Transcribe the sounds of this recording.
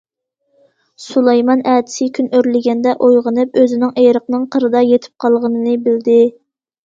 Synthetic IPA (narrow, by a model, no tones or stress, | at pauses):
sulˠɑjmɑnɛd̪ɪ̥sɪkʲʰynøɾlɪɡʲɛnd̪ɛʔojʁənɨp̚øzɪnɪŋʔejɾəqnɨŋqʰəɾɨd̪ɑjet̪ʰɪ̥p̚qʰɑlˠʁənɨnɨbɪld̪ɪ